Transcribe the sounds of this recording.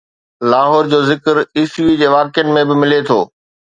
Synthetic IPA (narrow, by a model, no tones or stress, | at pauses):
laːɦɔːɾd͡ʑoːzɪkəɾiːsʋid͡ʑeːʋaːkjənɪ̆mẽbɪmɪlet̪ʰoː